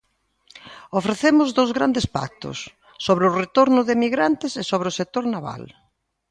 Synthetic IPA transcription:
ofɾeθemʊzðowzɣɾand̪espa̰k̚t̪ʊ̰sː | oβɾeʊret̪oɾnʊðɪemiɣɾant̪ɪsesoβɾɪʊsek̚t̪oɾnaβa̰l

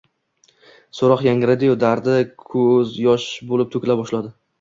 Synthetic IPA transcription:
soɾɒqjaŋɾɪd̪ɪjod̪aɾd̪ɪkʰɵzjɒʃbolɪp̚t̪ʰɵkʲlabɒʃlad̪ɪ

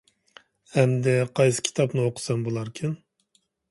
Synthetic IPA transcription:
hɛmd̪ɛqʰɑjsɨ̥kʲʰi̥t̪ʰɑpnɨoqʰʊ̥sɑmbolˠɑɾkʲʰin

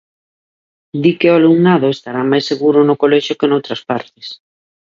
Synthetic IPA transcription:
d̪ikeʊaluŋnaðʊest̪aɾamajsːeɣuɾʊnʊkolɛʃʊkenowt̪ɾɐspaɾt̪ɪ̥s

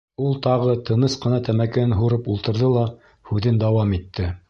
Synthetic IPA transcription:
ulˠt̪ɑʁɤt̪ʰɤ̆nɤsqɤ̆nɑt̪æmækɘ̆ɘnɦuɾɤpulˠt̪ɤ̆ɾðɤlˠɑ | hʉðɘnd̪ɑwɑmit̪ːɘ

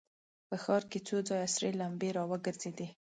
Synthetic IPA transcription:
pəxɑɾket͡sod͡zɑjasɾelambeɾɑwəɡəɾz̥ed̪i

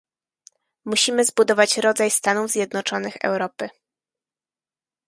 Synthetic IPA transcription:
muɕimɘzbud̪ɔvat͡ɕɾɔd̪zajst̪anuvzʲjɛd̪nɔt͡ʂɔnɘxɛ̰wɾɔpɘ

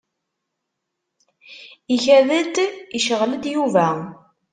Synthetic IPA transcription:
içæðəd̪iʃəʁləd̪juvæ

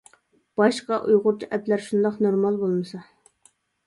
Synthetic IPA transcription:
b̥ɑʃqɑʔujʁʊɾt͡ʃʰiʔɛplæɾʃund̪ɑqnoɾmɑlˠbolˠmɨsɑ

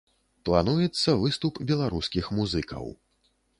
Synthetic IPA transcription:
plˠanujɛt̪sːɐvɨst̪upbʲɛlˠaɾuskʲixmuzɨkɐ̰w

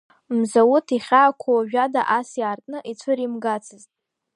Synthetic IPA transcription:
mzawutʰiχʲaːkʷʰawaʒᶣada̰ʔasjaːrtʼnɨʔit͡sʷʰɨɾimɡat͡sʰɨztʼ

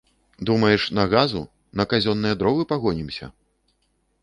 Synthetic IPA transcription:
d̪umɐjɛʂnɐɣazṵ | nɐkazʲɔnːɨjɛd̪ɾɔvɨpaɣɔnʲimsʲɐ̰

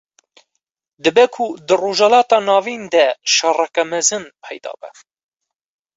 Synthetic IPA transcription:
d̪ɨbɛkʰud̪ɨroːʒɛlɑːt̪ɑːnɑːviːnd̪ɛʃɑrɛkɛmɛzɨnpʰɛjd̪ɑ̰ːbɛ̰

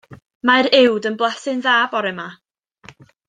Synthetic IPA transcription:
maɾɪwdənblˠɛsɪnðaːbɔɾɨma

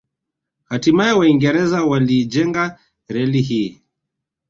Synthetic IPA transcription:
hatimajɛwaiŋɡɛɾɛzawaliːd͡ʒɛŋɡa | ɾɛliɦiː

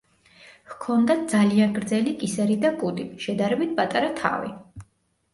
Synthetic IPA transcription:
hkʰɔnd̪ad̪zalianɡɾd̪zɛlikʼisɛɾid̪akʼud̪iʃɛd̪aɾɛbit̪̚ʰpʼat̪ʼaɾat̪ʰa̰vḭ

